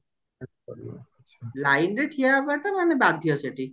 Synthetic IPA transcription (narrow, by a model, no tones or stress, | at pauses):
alajnɾeʈʰiabaʈamanebad̪ʱiɔseʈʰi